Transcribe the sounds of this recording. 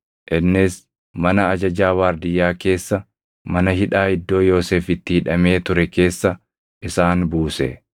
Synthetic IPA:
ʔɛnːɪs | mɐnɐːd͡ʒɐd͡ʒaːwaːɾd̪ɪjːaːke̞ːsːɐ | mɐnɐhɪᶑaːɪd̪ːo̞ːjo̞ːseːfɪt̪ːɪhɪᶑɐme̞ːt̪ʊɾɛke̞ːsːɐ | ʔɪsaːnbuːsɛ̰

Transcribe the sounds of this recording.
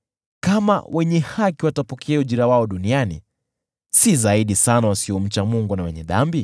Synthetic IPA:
kama̰wʔɛɲɛhakiwatapɔkʰɛauʄiɾawaɔɗunianḭ | sizaiɗisanawasiɔm̩t͡ʃamuŋɡunawɛɲɛɗambi

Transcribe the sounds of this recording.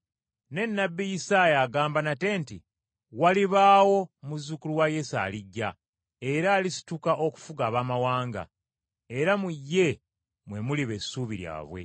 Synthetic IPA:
ne̞nːabːijisaːjaːɡaːmbanate̞ːnti | waliβaːwo̞muzukuluwaje̞sa̰ːliɟːa | e̞ɾaːlisi̥tukaʔo̞ku̥fuɡaːβaːmawaːŋɡa̰ | e̞ɾamujːe̞ | mwe̞muliβe̞suβiɾja̰ːβwe̞̰

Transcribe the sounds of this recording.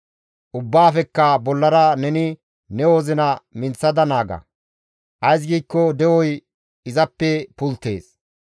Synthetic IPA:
ʔʊbːaːfɛkːɐbɔlːɐɾɐnɛnɪ | nɛwoːzɪnɐmɪnt͡sːɐd̪ɐnaːɡɐ̰ | ʔɐjs̬ɡiːkːɔd̪ɛwɔj | ɪzɐpːɛpʊlt̪ːḛːs

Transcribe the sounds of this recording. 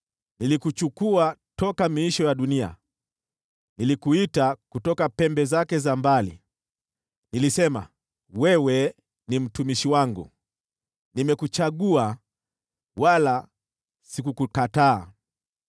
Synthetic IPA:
nilikut͡ʃukuatɔkamiiʃɔjaɗunia̰ | nilikuitakutɔkapɛmbɛzakɛzambalḭ | nilisɛma̰ | wɛwɛ | nim̩tumiʃiwaŋɡṵ | nimɛkut͡ʃaɠua | wala | sikukukataː

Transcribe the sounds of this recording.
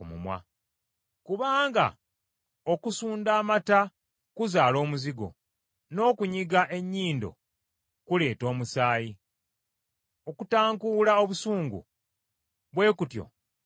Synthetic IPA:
umṵmwa̰ | kuβaːŋɡa̰ | o̞kusuːndaːmata | kuzaːlo̞ːmuziɡo̞̰ | no̞ːkuɲiɡaʔe̞ɲːiːndo̞̰ | kule̞ːto̞ːmusaːji | o̞kutaːŋkuːlao̞βusuːŋɡṵ | βwe̞ːkutjo̞̰

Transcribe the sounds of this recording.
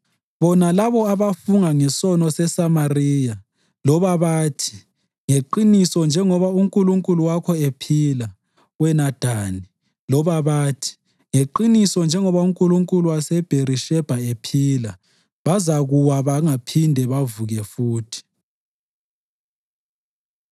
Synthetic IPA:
βɔnalaβɔaβafuŋaŋɛsɔnɔsɛsamariːja | lɔβaβaːtʰi̥ | ŋeǃinisɔnd͡ʒʱɛŋɔβauŋkʼuluŋkʼuluwakʰɔepʰila | wɛnad̥ʱani | lɔβaβaːtʰi̥ | ŋeǃinisɔnd͡ʒʱɛŋɔβauŋkʼuluŋkʼuluwasɛb̥ʱeɾiʃɛb̥ʱaepʰiːla | βazaɣuwaβaŋapʰindʱɛβavuɣɛfuːtʰi̥

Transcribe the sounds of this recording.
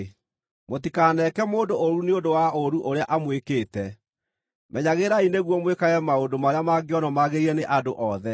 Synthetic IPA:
motikanɛkɛmoːndooɾuneondowaoɾuʔoɾeaʔamwekeːtɛ | mɛɲaɣeɾaineɣwɔmwekaɣɛmaodomajamaɡeɔnɔmaɣeiɛneʔadoʔɔðɛ

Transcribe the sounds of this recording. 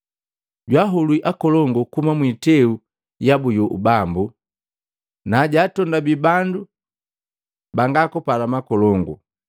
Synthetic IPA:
ɟwaɦulwiʔakɔlɔŋɡɔkumamwitɛu | jabujɔʔṵbambu | naɟaːtɔndabibandu | baŋɡakɔpalamakɔlɔŋɡu

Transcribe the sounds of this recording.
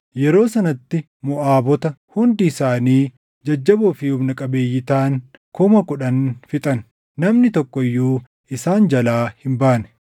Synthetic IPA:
jɛɾo̞ːsɐnɐt̪ːɪ | mʊʔaːbɔt̪ɐhʊnd̪ɪːsaːniː | d͡ʒɐd͡ʒːɐbuːfɪʊbnɐkʼɐbeːjːɪt̪aːŋkʊmɐkʊᶑɐnfɪt̪ʼɐn | nɐmnɪt̪ɔkːɔɪjːuː | ʔɪsaːnd͡ʒɐlaːhɪmbaːnɛ̥

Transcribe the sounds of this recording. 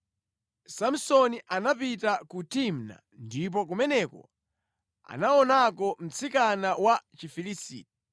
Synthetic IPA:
sam̩sɔniʔanapitakutimna̰ | ndip̬ɔk̬umɛnɛkɔ̰ | a̰naɔnakɔm̩t͡sʰikanawat͡ʃifilisḭːt̚ɔ̥

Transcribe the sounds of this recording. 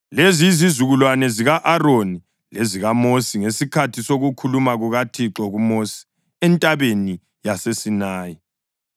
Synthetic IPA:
lezizizuɣulwanɛziɣaʔaroni | leziɣamosiŋesikʰatʰisoɣukʰulumaɣuɣatʰiǁɔɣumosi̥ | ɛntʼaβeni | jasesinaːji

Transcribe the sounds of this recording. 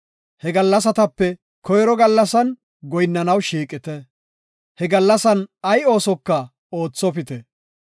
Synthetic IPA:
hɛɡɐlːɐs̬ɐt̪ɐpːɛ | kɔjɾɔɡɐlːɐsɐn | ɡɔjnːɐnɐwʃiːkʼɪt̪ɛ | hɛɡɐlːɐsɐnɐjo̞ːsɔkːɐ | oːt͡sːɔpɪt̪ɛ

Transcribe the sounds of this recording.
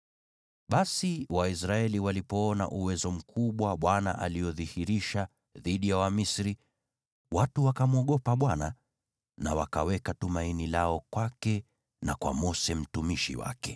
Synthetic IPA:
ɓasiwais̬ɾaɛliwalipɔɔna̰ʔuwɛzɔm̩kʰuɓwaɓwana̰ʔaliɔðihiɾiʃa | ðiɗijawamisɾi | watuwakamuɔɠɔpaɓwana | na̰wakawɛkatumainilaɔkwakɛ | nakwa̰mɔsɛm̩tumiʃḭwa̰kɛ

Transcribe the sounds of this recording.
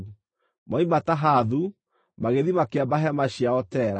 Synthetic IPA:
maimataɦaðu | maɣeðimakeambaɦɛmaɕiaɔtɛɾa

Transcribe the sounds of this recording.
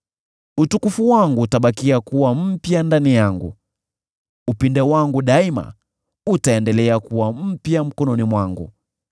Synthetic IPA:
utukufuwaŋɡutaɓakiakuwam̩pjandanijaŋɡṵ | upindɛwaŋɡuɗaima̰ | utaɛndɛlɛakuwam̩pjam̩kɔnɔnimwaŋɡṵ

